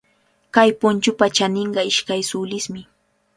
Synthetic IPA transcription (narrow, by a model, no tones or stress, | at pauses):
kajpʊnt͡ʃʊpat͡ʃanɪɴɢɑɪʃkajsʊlɪsmɪ